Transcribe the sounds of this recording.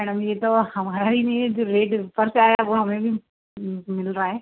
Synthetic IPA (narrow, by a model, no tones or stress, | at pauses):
mɛːɽəmjet̪ohɐmaːɾaɾinĩd͡ʑoɾeːʈpɐɾt͡ʃaːjaʋoɦɐmẽbʱi | mɪlɾaːɦeː